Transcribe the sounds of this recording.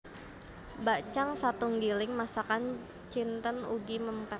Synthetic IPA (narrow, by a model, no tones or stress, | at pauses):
bat͡ʃaŋsat̪uŋɡilɪŋmasakan | t͡ʃint̪ənuɡiməmpə